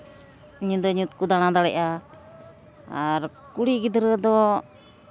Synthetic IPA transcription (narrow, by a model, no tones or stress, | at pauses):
ɲud̪ɔɲut̪̚kud̪añad̪aɽɛʔa | aɾ | kuɽiɡid̪ɾəd̪ɔ